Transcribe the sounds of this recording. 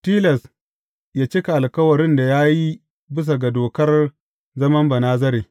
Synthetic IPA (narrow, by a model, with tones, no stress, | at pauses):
tiː˦lɐ˨s | jaː˦t͡ʃi˦ka˨ʔa˨lkɐ˦wɐ˨ɾɪ˦nda˨jaː˦ji˦ | bɪ˦s̬a˨ɡa˨doː˨kɐ˦r | zɐ˦mɐ˦mbɐ˨naː˦zɐ˦ɾeː˨